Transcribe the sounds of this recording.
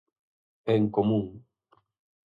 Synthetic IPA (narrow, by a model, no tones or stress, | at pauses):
eŋkomũŋ